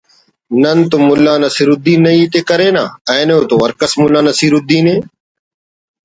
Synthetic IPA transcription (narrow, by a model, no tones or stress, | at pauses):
nənt̪omʊlːaːnəsiːɾʊd̪iːnəiːt̪eːkəɾeːna̰ːɛ̃ːnõːt̪oːʋəɾkəsmʊlːaːnəsiːɾʊd̪iːnẽː